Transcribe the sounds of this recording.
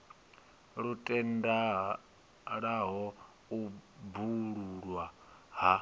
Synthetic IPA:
ɺutʼɛnda | ɺaɦɔ | ubuɺuɺwaɦa

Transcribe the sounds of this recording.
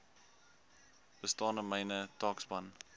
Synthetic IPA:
b̥əstɑːnəməjnətɑːksbɐn

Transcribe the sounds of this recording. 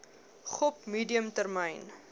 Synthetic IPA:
χɔpmiːdiəmtərmɛjn

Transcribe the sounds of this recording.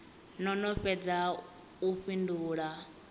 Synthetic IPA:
nɔnɔɸɛd͡za | uɸinduːɺa

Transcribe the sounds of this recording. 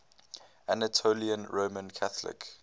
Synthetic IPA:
anətʰoliə̃nɹoːmə̃nkʰaθlɪ̰k

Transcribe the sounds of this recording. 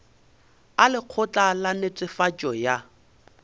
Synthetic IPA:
alɪq͡χʰʊt͡ɬʼalanet͡sʼɪfat͡ʃʼɔja

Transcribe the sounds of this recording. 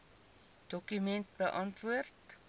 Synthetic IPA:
d̥ɔkymɛnt̚bəʔɐntvuərt

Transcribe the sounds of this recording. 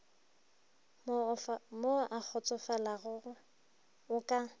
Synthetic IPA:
moʔak͡xʰɔt͡sʼɔfalaɣʊʊ | ʊkʼa

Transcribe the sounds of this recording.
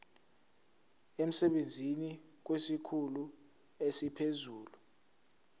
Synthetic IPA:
em̩sɛɓend͡zʱini | k̬wesikʰulu | esipʰezuːlu

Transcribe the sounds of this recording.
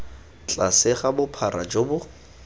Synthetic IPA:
t͡ɬʼasɪχabʊpʰaɾa̰d͡ʒobʊ

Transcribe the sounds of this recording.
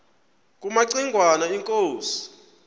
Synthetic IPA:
k̬ʼumaǀiŋɡʱwanaiŋkʼoːsi̥

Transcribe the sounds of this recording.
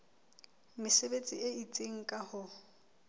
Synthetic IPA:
mɪsebet͡sʼieit͡sʼeŋ̩kʼahʊ

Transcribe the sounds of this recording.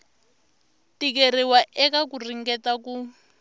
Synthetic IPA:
tik̬eriwaʔɛkak̬uriŋɡɛtaku

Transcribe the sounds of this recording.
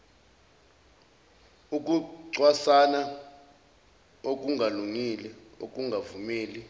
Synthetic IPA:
uk̬ʼuǀwasana | ok̬ʼuŋʱaluŋilɛo̰k̬ʼuŋɡʱavumeːli

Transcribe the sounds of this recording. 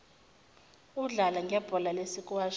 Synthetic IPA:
uɮalaŋɡʱɛb̥ʱɔlalesikʼwaːʃ

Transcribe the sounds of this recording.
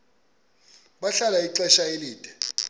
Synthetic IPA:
ɓaɬalaiǃɛʃaeliːd̥ʱʼɛ

